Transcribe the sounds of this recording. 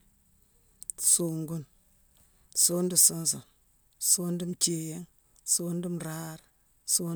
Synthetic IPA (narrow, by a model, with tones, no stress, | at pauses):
su˨ŋɡu˦n | so˦ndi˨so˦nso˨n | so˦ndi˦mt͡ʃe˨je˦ŋ | so˦n˦di˦mɾa˦ɾ | so˦